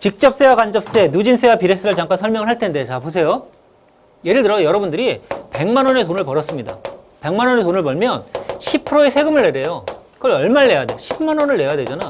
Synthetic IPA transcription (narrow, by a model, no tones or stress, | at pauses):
t͡ɕik̚t͡ɕ͈ʌp̚s͈e̞wakand͡ʑʌp̚s͈e̞nud͡ʑins͈ʰewapiɾe̞s͈ʰɯɾɯɭt͡ɕaŋk͈ansʰʌɭmjʌŋɯɭɦaɭtʰe̞ndet͡ɕapos̬ʰe̞jo | je̞ɾɯɭtɯɾʌsjʌɾʌbundɯɾipe̞ŋmanʌne̞sʰonɯɭpʌɾʌs͈ɯmɲida̰pe̞ŋmanʌne̞sʰonɯɭpʌɭmjʌnɕʰipʰɯɾoe̞sʰe̞ɡɯmɯɭːeɾje̞jokɯʌɭʌɭmaɭːe̞jade̞ɕʰibmanʌnɯɭːe̞jadwe̞d͡ʑana